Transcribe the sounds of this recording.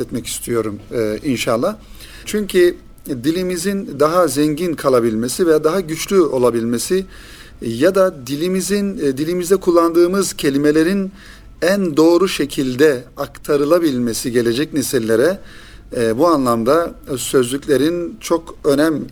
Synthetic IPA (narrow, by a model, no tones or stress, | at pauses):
ɛt̪mɛci̥st̪ʰijo̞ɾumːinʃalˠːa | t͡ʃʰyɲcʰi | d̪ilʲimizind̪aɦazɛɲɟinkʰalˠabilʲmesivɛjad̪aɦaɟyt͡ʃlʲyo̞lˠabilʲme̞si | jad̪ad̪ilʲimizind̪ilʲimizd̪ɛkʰulˠːand̪ɯːmɯz̥cʰe̞lʲime̞lʲe̞ɾin | ænd̪o̞ːɾuʃe̞cʰilʲd̪ɛakt̪ʰaɾɯlˠabilʲme̞siɟe̞lʲe̞d͡ʒɛcnesilʲːe̞ɾɛ | buanlˠamd̪asø̞zlʲycʲlʲe̞ɾint͡ʃʰo̞kø̞næm